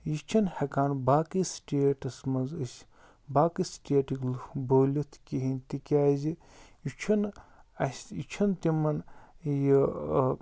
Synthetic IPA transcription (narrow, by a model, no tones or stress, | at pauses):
jit͡ʃʰɐnhɐkaːnbaːkɨsʈʲeːʈɐsmɐnzɨsʲ | baːkɨsʈʲeːʈiklboːlʲut̪ʰkʲiɦinʲt̪ikʲaːzi | jit͡ʃʰɐnɐsʲit͡ʃʰɐnt̪imɐnji